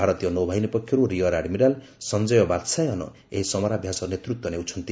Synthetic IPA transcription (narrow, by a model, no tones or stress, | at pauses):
bʱaɾɔt̪ijɔnowbʱaɦinipɔkʰːjɔɾuɾiɔɾaɖmiɾal | sɔnd͡ʒɔjɔbad̪sajɔnɔ̰ | eɦisɔmɔɾabʱjasɔnet̪ɾut̪wɔnewt͡ʃʰɔnt̪i